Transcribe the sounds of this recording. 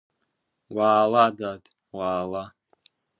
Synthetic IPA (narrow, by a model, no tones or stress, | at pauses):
waːladadʼ | waːla